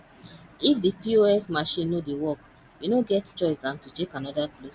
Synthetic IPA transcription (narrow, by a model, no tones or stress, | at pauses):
ifdipioɛsmaʃĩnːodewɔk | junoɡɛtt͡ʃɔɪsdãntutekãnɔdaklos